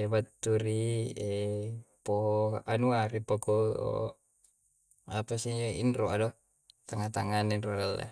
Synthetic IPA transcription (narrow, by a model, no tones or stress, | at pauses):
bat̪ːuɾiepoɦoanuaɾipokoo̰ | apasid͡ʒoḭnroado | t̪aŋat̪aŋaneinrodalʔḛ